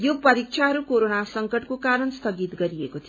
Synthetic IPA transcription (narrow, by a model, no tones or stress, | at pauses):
jopʌɾik̚t͡ʃʰaɦʌɾukoɾonasʌŋkʌʈkokaɾʌnst̪ʌɡit̪ɡʌɾiekot̪ʰi